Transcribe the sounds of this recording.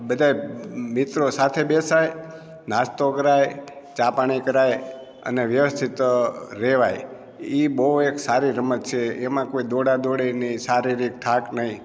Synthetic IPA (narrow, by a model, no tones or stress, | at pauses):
bəd̪ʱajmit̪ɾosat̪ʰebesaj | nast̪okəɾaj | t͡ʃapaɽ̃ikəɾaj | ə̰neʋjəʋəst̪ʰit̪ɾeʋaj | ibəɦueksaɾiɾəmət̪t͡ʃʰeːmãkoid̪oɽad̪oɽinisaɾiɾik̚t̪ʰaknəɦĩ